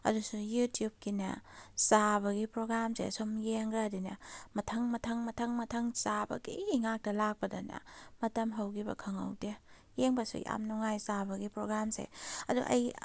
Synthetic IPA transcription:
ɐ̰dusujutijub̚kinɐ̰sabɐɡipɾoɡɾamsḛsomjeŋɡɐdinɐ̰mɐtʰɐŋmɐtʰɐŋmɐtʰɐŋmɐtʰɐŋsabɐ̰ɡḭːŋak̚tɐlak̚pɐdɐnɐ̰mɐtɐmɦɐwɡibɐ̰kʰɐŋɐ̰wde | jeŋbɐsṵja̰mnuŋajsabɐɡipɾoɡɾamsḛɐ̰dṵʔɐ̰j

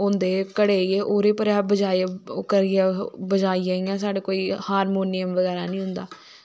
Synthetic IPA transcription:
ʊnd̪eːkəɽeːieːʔoːɾeːpəɾɛːbəd͡ʒaːkəɾiãːbəd͡ʒaːijaːiːãːsaːɽeːkoːiːhaːɾmoːnɪjəmʋəɣɛːɾaːnĩːɦʊ̃nd̪a̰ː

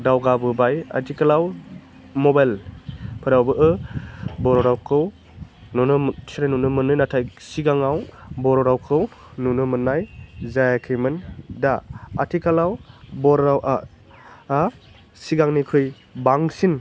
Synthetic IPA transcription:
dawɡabɯbaja̰tʰikalaw | mɔbajlpʰɯɾawbɯʔɯ | bɔɾɔɾawkʰɯw | nɔnɯsiɾajnunɯmɯnɯjnatʰajsiɡaŋawbɔɾɔɾawkʰɯw | nunɯmɯnːajzajakʰɯjmɯndaatʰikʰalawbɔɾɾawʔa | a | siɡaŋnikʰɯj | baŋsin

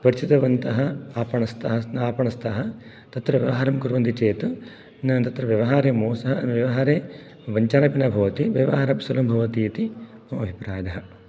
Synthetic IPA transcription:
pɐɾit͡ʃit̪ɐʋɐnt̪ɐɦɐaːpɐɳɐst̪ɐɦɐnaːpɐɳɐst̪ʰɐɦɐ | t̪ɐt̪ɾɐʋjɐʋɐɦaːɾɐmkuɾʋɐnd̪it͡ʃeːt̪u | nɐt̪ɐt̪ɾɐʋjɐʋɐɦaːɾeːmoːsɐɦɐʋjɐʋɐɦaːɾeː | ʋɐɲt͡ʃaːɾɐpinɐbʱɐʋɐt̪iʋjɐʋɐɦaːɾɐpsɐlɐmbʱɐʋɐt̪ijɐt̪iɐmɐbʱipɾaːjɐd̪ɐɦɐ

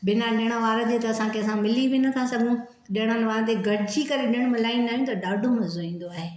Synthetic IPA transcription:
bʱɪnaɗɪəɽ̃əʋaːɾt̪et̪ɐɐsãkʰeɐsãmɪlibʱinɐkʰãsɐɡʱũ | ɗɪɽ̃ənʋaːɾ̃t̪eɡʱɐɽɪd͡ʑikɐɾeɗɪɽ̃mɪlaːĩnaːɦjũt̪ɐɖaːɖʱomɐ̃zoĩːn̆d̪oaːɦeː

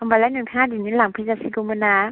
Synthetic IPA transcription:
ambalajnɯŋtʰaːdinilaŋpʰɯzasiɡumɯna

